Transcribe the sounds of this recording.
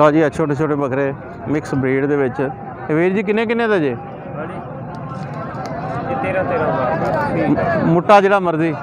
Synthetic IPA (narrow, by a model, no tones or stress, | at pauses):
ɔːd͡ʒiːət͡ʃʰoːʈeːt͡ʃʰoːʈeːbəkɾeː | mɪksbɾiːɖd̪eːʋɪt͡ʃ | ʋeːɾd͡ʒiːk̬ɪnːẽːk̬ɪnːẽːd̪aːd͡ʒeː | i | t̪eːɾãːt̪eːɾãː | mʊʈːaːd͡ʒeːɽaːməɾziː